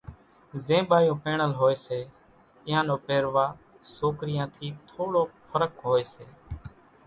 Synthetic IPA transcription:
zẽːbaːjõːpeːɳəlɦoːeːseː | ɪɦãːnõːpeːɾʋaː | soːkɾɪjãːt̪ʰiːt̪ʰoːɽoːpʰəɾəkɦoːeːseː

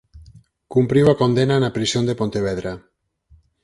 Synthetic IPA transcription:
kumpɾiwakond̪enanapɾisjond̪epont̪eβ̞ɛðɾa

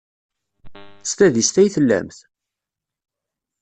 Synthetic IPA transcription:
st̪æðist̪æjθəlːæ̰mθ

